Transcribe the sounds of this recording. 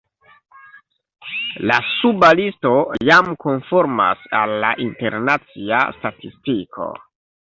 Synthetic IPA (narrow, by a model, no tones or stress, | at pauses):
lasubalisto̞jamkonfoɾma̰salːa̰ʔintḛɾnat͡sia̰statistikʰo̞̰